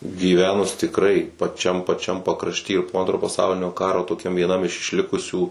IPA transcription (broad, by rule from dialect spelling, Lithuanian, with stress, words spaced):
ɡʲiːˈʋʲæːnʊs tʲɪkˈrɐɪ pɐˈt͡ʃʲɛm pɐˈt͡ʃʲɛm pɐkrɐʃʲˈtʲiː ɪr poː ˈɐntroː pɐˈsɐʊlʲɪnʲoː ˈkɑːroː toːˈkʲɛm ʋʲiɛˈnɐm ɪʃ ɪʃʲˈlʲɪkʊsʲuː